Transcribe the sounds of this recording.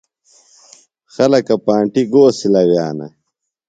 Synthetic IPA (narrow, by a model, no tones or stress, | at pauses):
xɐlɐkɐpaːɳʈiɡoːsilɐwjaːnɐ̰